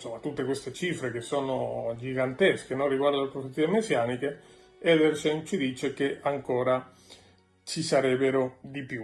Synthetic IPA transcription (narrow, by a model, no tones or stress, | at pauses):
somːat̪ːut̪ːekwest̪et͡ʃiːfɾek̟esːoːnod͡ʒiɡant̪esk̟enorːiɡward̪olepɾoset̪ːiemesjaːnik̟e | ɛd̪ɛrʃent͡ʃid̪iːt͡ʃek̟eaŋkoːɾa | t͡ʃisaɾɛbːeɾod̪ipju